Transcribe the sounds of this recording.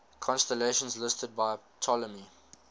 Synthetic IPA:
kʰɔ̃nstəleɪʃə̃nzlɪstəd̚baɪtʰɔləmi

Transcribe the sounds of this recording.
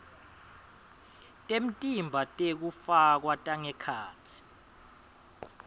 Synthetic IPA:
tʼem̩tʼimbʱatʼek̬ufak̬watʼaŋɛkʰaːt͡sʰi̥

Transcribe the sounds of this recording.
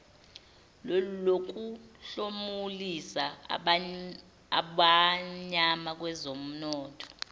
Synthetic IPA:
lulok̬uɬomulisa | aɓaɲamak̬wɛzom̩nɔːtʰʼɔ̥

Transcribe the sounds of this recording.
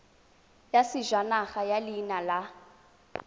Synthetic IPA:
jasɪʒwanaχajalinala

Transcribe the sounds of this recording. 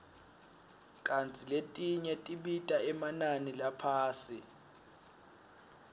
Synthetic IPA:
kʼant͡sʰʼiletʼiɲɛtʼiɓitʼaɛmananilapʰaːsi

